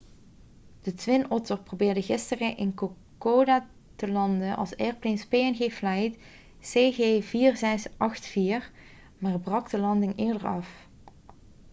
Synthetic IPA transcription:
d̥ətʋɪnɔtəɹprobɪːɹdəɣɪstərəʔɪnkokodaː | təlɑndənʔɑ̰lˠsɛɹplenspeːɛnɣeːflɛjt | seːɣeːviːrzɛsʔɑxtfiːr | maːrbrɑɡdəlɑndɪŋɪːɹdəɹɑf

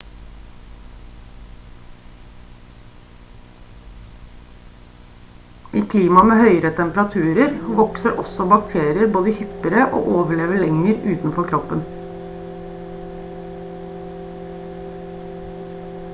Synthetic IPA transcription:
ʔiːkʰliːmɑmeːhœʏɾət̪ʰɛmpəɾɑt̪ʰʉːɾəɾʋɔksəɾʔɔsɔbɑk̚t̪ʰeːɾɪəɾboːd̪əhʏpəɾəʔo̰ːʔoːʋəɭeːʋəɭɛŋəɾʉːt̪n̩fɔkʰɾɔpən

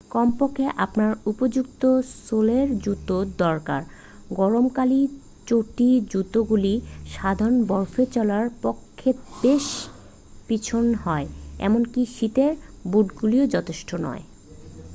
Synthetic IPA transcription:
kɔmpokʰːeʔapnaɾupod͡ʑukt̪osoleɾd͡ʑut̪ːod̪ɔɾka̰ɾ | ɡɔɾomkali | t͡ɕoʈid͡ʑut̪oɡuliʃad̪ʱaɾonbɔɾfet͡ɕɔlaɾpokʰːet̪d̪eʃ | pit͡ɕʰonɦɔeɛ̰monkiʃit̪eɾbuɖɡuliod͡ʑɔt̪ʰeʃʈʰonɔ̰e

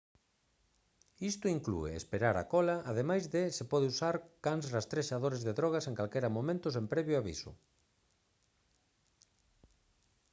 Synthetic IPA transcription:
ist̪ʊiŋklṵḛḛspeɾaɾa̰kɔlaʔaðemajzðɪsepɔðeusaɾkaŋsrast̪ɾeʃaðoɾezðeðɾɔɣ̞aseŋkalkɛɾɐmomẽnt̪ʊsempɾɛβjʊaβḭsʊ̰

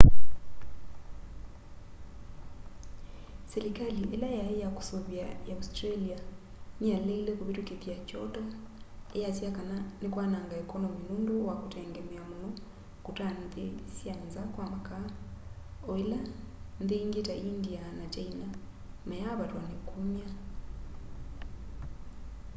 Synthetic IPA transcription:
selikaliʔelajaejaku̥soβjajaustɾalia | nijaleilekuβitukeθjat͡ʃotaejasjakananekwanaŋɡaekonominundowakuteŋɡemiamuno | kutanðesjanzakwamaka | oela | nðeŋɡetaʔindianat͡ʃaina | majaβatwanekumja

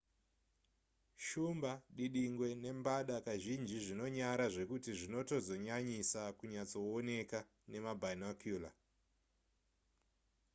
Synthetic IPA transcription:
ʃumbaɗiɗiŋɡwe̞ne̞mbaɗakaʒind͡ʒiʐino̞ɲaɾaʐe̞kutiʐino̞to̞zo̞ɲaɲisakuɲat͡so̞ːne̞ka | ne̞mabʱanakjuːla

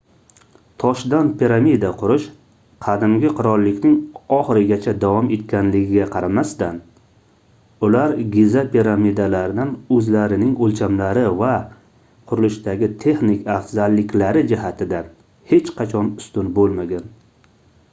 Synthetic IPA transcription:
t̪ʰɒʃd̪anpʰiɾamid̪aqʰʊɾɪʃ | qʰɑd̪ɪmɡʲɪqʰʊɾɒlˠːɪkʲnɪŋɒχɨɾɪɡʲat͡ʃʰad̪avɒme̞t̪̚kʲanlɪɡʲɪɡʲaqʰɑɾamast̪an | ʊlaɾɡʲizapʰiɾamid̪alaɾɪd̪anɵzlaɾɪnɪŋolt͡ʃʰamlaɾɪva | qʰʊɾʊlɪʃd̪aɡʲɪt̪ʰe̞χnɪkʲʰafzalːɪkʲlaɾɪd͡ʒɪhat̪ʰɪd̪a | he̞t͡ʃqʰɑt͡ʃʰɒnʊ̥st̪ʊnbolˠmaɡʲan

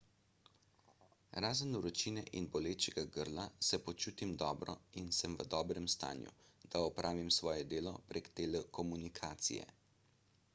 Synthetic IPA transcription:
ɾaːzənuwɾɔt͡ʃinɛʔinbɔleːt͡ʃɛɡaɡəɾlasɛpɔt͡ʃuːt̪imd̪ɔːbɾɔinsəmʋə̰d̪ɔːbɾɛmst̪a̰ːnjṵ | d̪aɔpɾʔaːʋimsʋɔːjɛd̪eːlɔpɾeːkt̪elɛkɔmunikʰaːt̪sḭjɛ̰

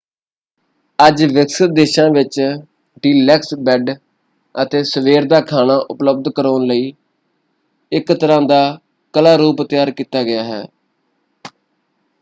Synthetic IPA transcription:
əd͡ʒʋɪksət̪̚d̪eːʃãːʋɪt͡ʃ | ɖiːlɛːksbɛɖ | ət̪eːsəʋeːɾd̪aːkʰaːnaːʔʊpləb̚d̪kəɾoːnləiː | ɪkt̪əɾãːd̪aː | kəlaːɾuːpət̪ɪjaːɾkiːt̪aːɡɪjaːɦɛ̰ː

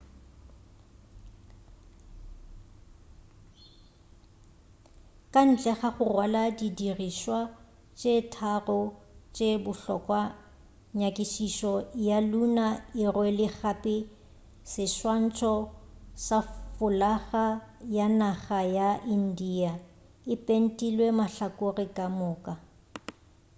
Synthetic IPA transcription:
kʼan̩t͡ɬʼɛχaχʊrwaladidiriʃwa | t͡ʃʼetʰarɔt͡ʃʼebʊɬɔ̰kʼwa | ɲakʼiʃiʃɔjalunaɪrwɛlɪχapʼɪ | sɪʃwan̩t͡ʃʼʰɔsafʊlaɣajanaχajaʔin̩dia | ɪpʼen̩tʼilwemaɬakʼorɪkʼamʊːkʼa

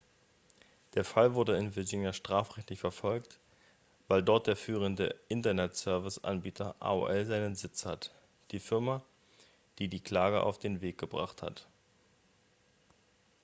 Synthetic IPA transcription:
d̥eːɐfalvʊɐdəɪnvɪɐɡɪnjaʃtʁ̥aːfʁɛçtlɪçfɛɐfɔlkt | vaɪldɔɐt̚d̥eːɐfyːʁ̞əndəʔɪntɐnɛtsœɐvɪsʔa̰nbiːtʰɐʔa̰ːṵʔɛlzaɪnənzɪt͡shat | d̥iːfɪɐma | d̥iːdiːkl̥aːɡə̰ʔa̰ʊfd̥eːnveːk̚ɡ̥əbʁa̰χtha̰t

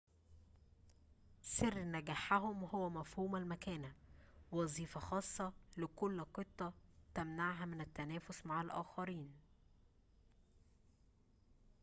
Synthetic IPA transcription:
serːnæɡæːħæɦʊmhowːæmæfhuːmælmækæːnæwɑzˤiːfɑxɑːsˤːɑlɪkʊlːqet̪ˤːɑt̪æmnaʕɦæmɪnæt̪ːænæːfʊsmaʕalʔæ̰ːxɑɾiːn

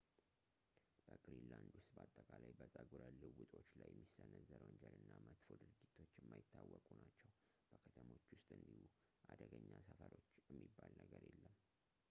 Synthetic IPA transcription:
b̥əkʼɾinland̪ʊst̪bəat̪ʼːəkʼalajbət̪ʼəɡuɾəlɨwut̪ʼo̞t͡ʃːlajːɛmːisːənəzəɾwənd͡ʒəlɨnːamət̪fod̪ɨɾɡit̪ʰo̞t͡ʃːɛmːajɪt̪ʰːawːɔkʼunat͡ʃːɛw | b̥əkʰət̪ʰəmo̞t͡ʃːwʊst̪ʼɨnd̪ihu | ʔad̪əɡəɲːasəfəɾo̞t͡ʃːjɛmːibːalnəɡəɾjelːəm

